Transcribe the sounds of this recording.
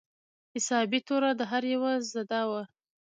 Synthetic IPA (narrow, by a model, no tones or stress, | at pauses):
hɪsɑbit̪oɾad̪əɦaɾjawazzad̪ɑwa